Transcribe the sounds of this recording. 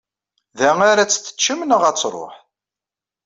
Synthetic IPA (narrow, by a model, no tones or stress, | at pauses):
ðæŋaɾæt͡sːθə̥t͡ʃːəmnəʁæt͡sːɾˤo̰ħ